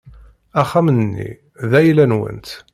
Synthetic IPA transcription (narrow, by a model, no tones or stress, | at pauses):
æχːæmnənːḭ | ðæjlænwə̰nt̪